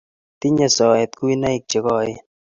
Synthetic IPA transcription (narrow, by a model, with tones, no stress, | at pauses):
t̪i˦ɲa˦sɔ˨ɛ˨t̪̚ku˦i˦na˦ɪ˨k̚t͡ʃe˨kɔ˦˨ɪ˦